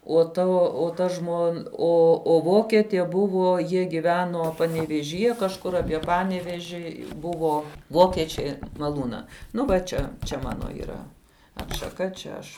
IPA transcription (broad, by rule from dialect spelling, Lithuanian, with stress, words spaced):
oː ˈtɐ oː ˈtɐ ˈʒmoːn ˈoː oː ˈʋoːkʲɛtʲeː ˈbʊʋoː ˈjiɛ ɡʲɪˈʋʲæːnoː pɐnʲɛʋʲeːʒʲiːˈjɛ kɐʃˈkʊr ɐpʲiɛ ˈpɑːnʲɛʋʲɛʒʲɪ ˈbʊʋoː ˈʋoːkʲɛt͡ʃʲɛ mɐˈlˠuːnɐ ˈnʊ ʋɐ ˈt͡ʃʲɛ t͡ʃʲɛ ˈmɑːnoː iːˈrɐ ɐtʃɐˈkɐ t͡ʃʲɛ ˈɐʃ